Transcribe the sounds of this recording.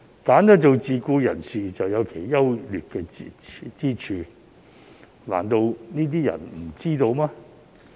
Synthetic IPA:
kaː˨˥nt̪ɐ˥t͡so˨˧wt͡siː˨kuː˧jɐ̰˨˩nsiː˨t͡sɐ˨wjɐ˨˧wkʰe˨˩jjɐ˥wlyː˨t̚kɛː˧t͡siː˥t͡ʃʰyː˧ | la̰ː˨˩nt̪o˧wniː˥t̪̬iː˥jɐ̰˨˩nm̩˨˩t͡siː˥t̪o˧wmaː˥

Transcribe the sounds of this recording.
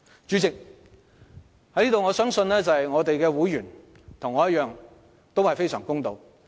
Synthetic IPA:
t͡ʃyː˨˥t͡sɪ˨k̚ | hɐ˨˥jliː˥t̪o˨wŋɔː˨˧sœː˥ŋsɵ˧nlɛː˥t͡sɐ˨˩hɐ˨jŋɔː˨˧t̪e˨jkɛː˧wuː˨˥jɥyː˨˩n | t̪ʰʊ˨˩ŋːɔː˨˧jɐ˥t̚jœː˨˧ŋ | t̪o˥whɐ˨jfe˥jsœ̰ː˨˩ŋkʊ˥ŋt̪o˨˧w

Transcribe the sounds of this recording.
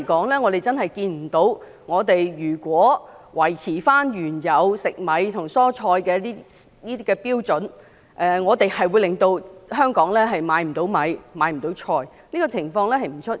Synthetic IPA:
kɔː˨˥ŋlɛː˥ŋɔː˨˧ɾe˨jt͡sɐ˥nɦɐ˨jkiː˧nm̩˨˩t̪o˨˥w | ŋɔː˨˧t̪e˨jjyː˨˩kʷɔː˨˥ | wɐ˨˩jt͡sʰiː˨˩faː˥njyː˨˩njɐ˨˧wsɪ˨k̚mɐ˨˧jt̪ʰʊ˨˩ŋsɔː˥t͡ʃʰɔː˧jkɛː˧liː˥niː˥t̪iː˥kɛ˧piː˥wt͡sɵ˨˥n | ʔɛː˨ŋɔː˨˧t̪e˨jhɐ˨jwu˨˧jlɪ˨ŋt̪o˧wɦœː˥ŋkɔː˨˥ŋlɛː˥ɦɐ˨jmaː˨˧jm̩˨˩t̪o˨˥wmɐ˨˧jmaː˨˧jm̩˨˩t̪o˨˥wt͡ʃʰɔː˧j | niː˥kɔ˧t͡sʰɪ˨˩ŋfɔː˧ŋlɛː˥ɦɐ˨jm̩˨˩t͡ʃʰɵ˥t̚

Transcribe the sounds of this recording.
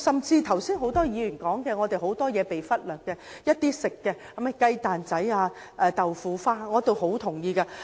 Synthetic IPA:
sɐ˨mt͡siː˧t̪ʰɐ˨˩wsiː˥nɦo˨˥wt̪ɔː˥jiː˨˧jyː˨˩nkɔː˨˥ŋkɛː˧ŋɔ˨˧t̪e˨jho˨˥wt̪ɔː˥jɛː˨˧pe˨jfɐ˥t̚lœː˨˩kːɛː˧jɐ˥t̚t̪iː˥sɪ˨kːɛː˧hɐ˨˥mɛ˨˧kɐ˧jt̪aː˨nt͡sɐ˨˥jaː˧ | ʔɛː˧t̪ɐ˨wfuː˨˧faː˥ŋɔː˨˧t̪o˨wɦo˨˥wt̪ʰʊ˨˩ŋjiː˧kaː˧

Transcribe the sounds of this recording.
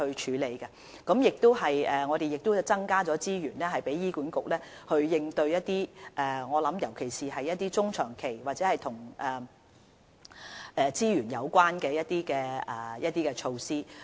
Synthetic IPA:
ɵ˧ɥt͡ʃʰyː˨˧le˨˧jkɐ˧ | kɐ˨˥mjɪ˨k̚t̪ʊ˥wɦɐ˨jɛː˨˩ŋɔː˨˧ɾe˨jɪ˨k̚t̪ʊ˥t͡sɐ˥ŋkaː˥t͡sɔː˨˥t͡siː˥ɥyː˨˩nlɛː˥ɦɐ˨jpe˨˥jːiː˥kuː˨˥nkʊ˨k̚lɛː˥ | hɵ˧ɥjɪ˧ŋt̪ɵ˧ɥjɐ˥t̚t̪iː˥ʔɛː˨˩ŋɔː˨˧lɐ˨˧˥mjɐ˨˩wkʰe˨˩jsiː˨ɦɐ˨jːɐ˥t̪̚iː˥t͡sʊ˥ŋt͡ʃʰœː˨˩ŋkʰe˨˩jwaː˨t̚t͡sɛː˨˥hɐ˨jt̪ʰʊ˨˩ŋʔɛː˨ | ʔɛː˨˧t͡siː˥jyː˨˩njɐ˨˧wkʷaː˥nkɛː˧jɐ˥t̪̚iː˥kɛː˧ɛ˨˩jɐ˥t̪̚iː˥kɛː˧t͡ʃʰo˧wsiː˥

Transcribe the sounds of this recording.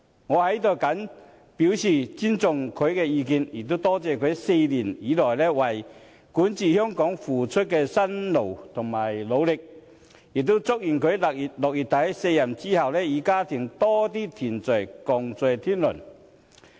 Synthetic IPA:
ŋɔ˨˧ha˨˧˦jt̪ɔ˨˩ka˨˥n | pi˨˥wɕi˨˩t͡ɕi˥nt͡sʊ˨ŋkʰɵ˨˧jkɛ˧iː˧ki˧ni˨˩t̪u˥t̪ɔː˦˥t͡sɛː˨˩kʰə˨˧jse˧li˨˩ni˨˥˦lɔ˨˩jlɛ˦˩wa˨˩j | ku˨˥nt͡ɕi˨˩hjɔ˥ŋkɔ˨˥ŋfuː˨˩t͡sʰʊ˥t̚kɛ˧sa˥nlo˨˩wt̪ʰʊ˨˩ŋmaː˨˩jlo˨˧wlɪ˨˩k̚ | ji˨˩k̚t̪u˦˥t͡sʊ˥k̚ji˨˩nkʰɵ˨˧jki˨lɔ˨k̚i˨˩t̪ʰːa˨˥jse˧jɐ˨˩nt͡ɕi˥hɐ˨˩wlɛ˧i˨˧˩kaː˦t̪ʰi˨˩ŋt̪ɔ˦t̪i˥t̪ʰi˨˩nt͡sə˨˩jkɔ˨˩ŋt͡se˨˩t̪ʰi˥nlʊ̰˨˩n

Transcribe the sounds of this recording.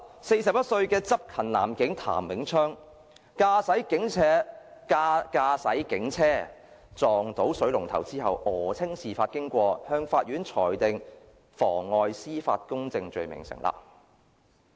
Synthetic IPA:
se˧jsɐ˨p̚jɐ˥t̚sɵ˧ɥkɛː˧t͡sɐ˥p̚kʰɐ˨˩nla̰ː˨˩mkɪ˨˥ŋt̪ʰa̰ː˨˩mːɪ˨˥ŋt͡ʃʰœː˥ŋ | kaː˧sɐ˨˥jkɪ˨˥ŋt͡sʰɛː˨˥ka˧kaː˧sɐ˨˥jkɪ˨˥ŋt͡sʰɛː˥ | t͡sɔː˨ŋt̪o˨˥wsɵ˨˥lʊ˨˩ŋt̪ʰɐ˨˩wt͡siː˥hɐ˨wʔɔː˨˩t͡sʰɪ˥ŋsiː˨˩faː˧t̚kɪ˥ŋkʷɔː˧hœː˧ŋfaː˧t̚ɥyː˨˥nt͡ʃʰɔː˨˩jt̪ɪ˨ŋ | fɔː˨˩ŋːɔː˨˧jsiː˥fa̰ː˧t̚kʊ˥ŋt͡sɪ˧ŋt͡ʃɵ˨˧ɥmɪ̰˨˩ŋsɪ̰˨˩ŋla̰ː˨˩p̚

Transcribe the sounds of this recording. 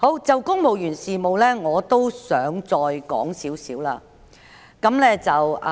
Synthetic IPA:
ho˨˥wt͡sɐ˨wkʊ˥ŋmo˨wjyː˨˩nsiː˨˩mo˨˧wlɛː˥ŋɔː˨˧t̪o˥wsœː˨˥ŋt͡sɔː˧jkɔ̰ː˨˥ŋsiː˨˥wsiː˨˥wlaː˧ | kɐ˨˥mlɛː˥t͡sɐ˨w

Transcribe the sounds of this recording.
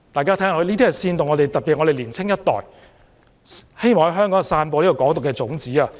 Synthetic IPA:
t̪aː˨jkaː˥t̪ʰɛː˥ŋ˨o˧liː˥t̪i˥hɐ˨jsiː˧nt̪ʊ˨˩ŋɔ˨˧ɾe˨jt̪ɐ˨t̚pi˨ɔ˨˧ɾe˨jliː˨˩nt͡sʰɪ˥ŋjɐ˥t̚t̪ɔ̰ː˨j | he˥jmɔː˨ŋhɦœː˥ŋkɔ˨˦ŋ˨saː˧npɔː˧liː˥ɔ˨˧kɔː˨˥ŋt̪ʊ˨kːɛː˧t͡sʊ˨˥ŋt͡siː˨˥aː˧

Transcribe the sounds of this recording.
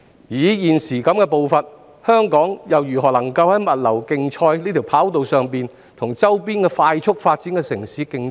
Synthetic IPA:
jiː˨˥jiː˨nsiː˨˩kɐ˨˥mkɛː˧po˨˧wfɐ˨n | hœː˥ŋkɔː˨˥ŋjɐ˨wjyː˨˩ɦɔː˨˩lɐ˨˩ŋkɐ˧whɐ˨˥jmɐ˨t̚lɐ˨˩wkɪ˧ŋt͡ʃʰɔː˧jliː˥t̪ʰi˨˩wpʰaː˨˥wt̪o˨wsœː˨ŋpiː˨n | t̪ʰʊ˨˩ŋt͡sɐ˥wpiː˥nkɛː˧faː˧jt͡ʃʰʊ˥k̚faː˧t̚t͡siː˨˥nkɛː˧sɪ˨˩ŋsiː˨˥kɪ˧ŋ

